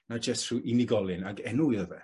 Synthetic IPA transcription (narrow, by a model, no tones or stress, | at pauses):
nad͡ʒɛstʰruːʔinɪɡɔlˠɨnaɡɛnuɨðəvɛ